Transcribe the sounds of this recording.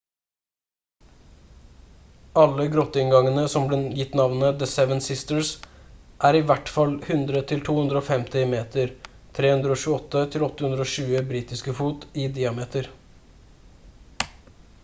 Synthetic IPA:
ɑləɡɾɔt̪ːəɪŋɡɑŋənəsɔmblɛːjɪt̪nɑʋnəd̪əsɛʋənsɪst̪əɹsʔæːɾɪʋæʈfɑlhʉnd̪ɾət̪ʰɪlt̪ʰuːhʉnd̪ɾəoːfɛmt̪ɪmeːt̪əɾ | t̪ʰɾeːhʉnd̪ɾəoːʃʉːɔt̪ːət̪ʰɪlɔt̪ːəhʉnd̪ɾoːʃʉːəbɾiːt̪ɪskəfuːt̪ɪd̪ɪɑmeːt̪əɾ

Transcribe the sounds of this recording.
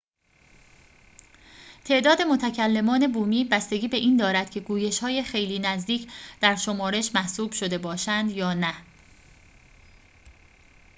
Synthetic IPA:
t̪ʰe̞ʔd̪ɒːd̪e̞mo̞t̪ʰæcʰælːe̞mɒːne̞buːmiːbæst̪e̞ɡʲiːbe̞ʔiːnd̪ɒːɾæd̪̥cʰe̞ɡuːje̞ʃhɒːjexe̞jliːnæzd̪iːcʰd̪̥æɾʃo̞mɒːɾe̞ʃmæhsuːb̥ʃo̞d̪e̞bɒːʃænd̪jɒːnæ

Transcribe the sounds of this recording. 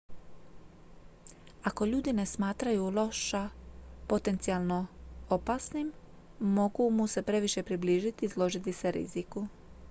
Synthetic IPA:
ako̞ʎuːd̪ine̞smaːt̪ɾajulˠo̞ʃapo̞t̪e̞nt̪sijalˠno̞opaːsnimː | o̞ɡumuse̞pɾe̞ʋiʃe̞pɾibliːʒit̪izlˠo̞ʒit̪iseɾḭziku

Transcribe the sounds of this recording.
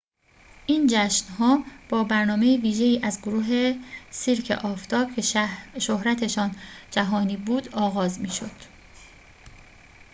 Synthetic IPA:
ʔiːnd͡ʒæʃnɦɒːb̥ɒːbæɾnɒːme̞jiviːʒe̞iːʔæzɡoɾuːɦe̞siːɾcʰḛʔɒːft̪ʰɒːb̥̚cʰe̞ʃohɾæt̪ʰe̞ʃɒːnd͡ʒæɦɒːniːbuːd̪ɒːɣɒːzmiːʃo̞d̪̥

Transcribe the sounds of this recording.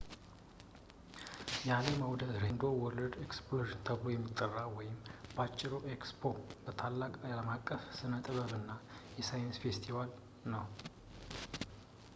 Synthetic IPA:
jazemawd̪əd̪ɾend̪o̞wɔlːəd̪eksploʒnt̪ʰəblo̞jɛmːit̪ʼːərːawɔjɪmbat͡ʃʼːɪɾoʔekspʰo̞bət̪ʰalːakʼaaləmakʼːəfsɨnət̪ʼəβəβɨnːajɛsajɪnsfe̞st̪ʰival | nəw

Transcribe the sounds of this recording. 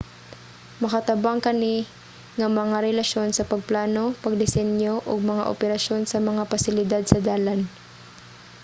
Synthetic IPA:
mɐkɐt̪ɐbaŋkɐni | ŋɐmɐŋaɾɛlɐʃjo̞nsɐpɐɡ̚plaːno̞pɐɡ̚d̪ɪsɛnjoʔoɡ̚mɐŋa̰ʔo̰pɛɾɐʃjo̞nsɐmɐŋapɐsɪlɪd̪ad̪̚sɐd̪aːlan

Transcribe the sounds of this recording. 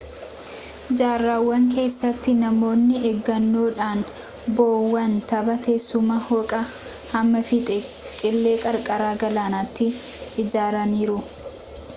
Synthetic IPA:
d͡ʒaːrːaːwːɐŋk̬e̞ːsːɐt̪ːɪnɐmo̞ːnːɪɛɡːɐnːoːᶑaːn | boːwːɐnt̪ɐbɐt̪eːsːʊmɐhɔkʼɐ | hɐmːɐfɪt̪ʼɛ | kʼɪlːe̞ːkʼɐɾkʼɐɾaːɡɐlaːnat̪ːɪ | ɪd͡ʒaːɾɐniːɾʊ

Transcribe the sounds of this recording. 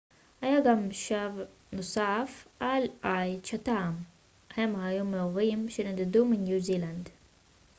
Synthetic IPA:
hajaɡamʃav | nosafʔalajt͡ʃat̪am | hemhajumeoʁimʃenad̪ed̪uminjuziland̪

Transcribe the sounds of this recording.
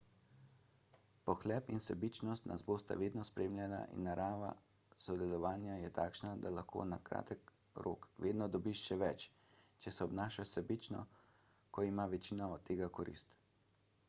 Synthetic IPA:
pɔxlɛːpinsɛbit͡ʃnɔst̪na̰zboːst̪a̰ʋeːd̪nɔspɾeːmlʲjala̰ʔḭnːaɾʔaːʋa̰ | sɔd̪ɛlɔʋaːnjajɛt̪aːkʃnad̪alaxkʰo̰ːnakɾa̰ːt̪ək | ɾʔo̰ːkʋeːd̪nɔd̪ɔbiʃʃɛʋɛt͡ʃt͡ʃɛsɛɔbnaːʃasɛbit͡ʃnɔ̰ | kɔimaʋɛt͡ʃiːnaɔt̪ːeːɡakɔɾḭst̪

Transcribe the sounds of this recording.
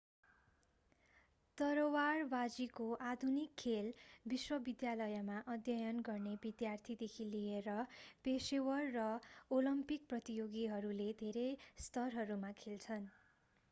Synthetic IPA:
t̪ʌɾʌwarbad͡zikoʔad̪ʱunikʰːelbiswʌbid̪jalʌjʌmaʔʌd̪jʌjʌnɡʌrnebid̪jart̪ʰid̪ekʰilieɾʌpesewʌrːʌolʌmpik̚prʌt̪ijoɡiɦʌɾuled̪ʱeɾejst̪ʌrɦʌɾumakʰelt͡sʰʌn

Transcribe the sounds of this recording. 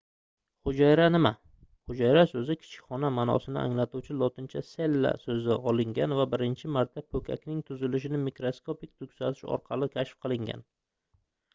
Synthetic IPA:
χʊd͡ʒajɾanɪma | χʊd͡ʒajɾasɵzɪkʲʰɪ̥t͡ʃʰɪ̥kʲχɒnamanɒ̰sɪnɪ̰ʔa̰ŋlat̪uwt͡ʃʰɪlˠɒt̪ʰɪnt͡ʃʰase̞lːa̰sɵzɪʔɒlˠɪŋɡʲanvabɪɾɪnt͡ʃʰɪmaɾt̪ʰːapʰɵkʲʰa̰kʲnɪŋt̪ʰʊzɪlɪʃɪnɪmikɾoskʰopɪk̚ʲt̪ʰʊkʲsat̪ʰɪʃɒ̰ɾqʰɑlɪkʲʰaʃfqʰɨlˠɪŋɡʲa̰n

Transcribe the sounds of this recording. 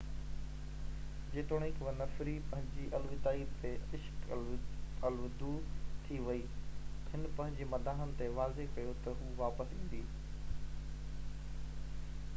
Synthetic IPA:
d͡ʑeːt̪oːɽ̃ɪ̃kʋɐnɐfɾipɐ̃ɦɪ̃ɲd͡ʑiʔɐlʋɪt̪aːiːɾt̪eɪʃk | ɐlʋd̪ut̪ʰiʋɐi | ɦɪnpɐ̃ɦɪ̃ɲd͡ʑemɐd̪ʱaːɦənɪ̆t̪eʋaːzekɐjot̪ɐɦuːʋaːpəsĩːn̆d̪iː

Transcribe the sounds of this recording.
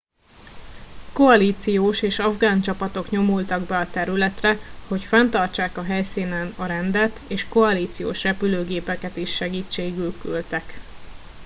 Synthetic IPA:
ko̞ɒliːt̪sijoːʃeːʃɒvɡaːnt͡ʃɒpɒt̪o̞kɲo̞mult̪ɒɡbɛɒt̪ɛɾylɛt̪rɛho̞cfɛnt̪ɒrt͡ʃaːkɒɦɛjsiːnɛnɒɾɛnd̪ɛt̪eːʃko̞ɒliːt̪sijo̰ːʃrɛpyløːɡeːpɛkɛt̪iʃːɛɡiːt͡ʃːeːɡylkylt̪ɛk

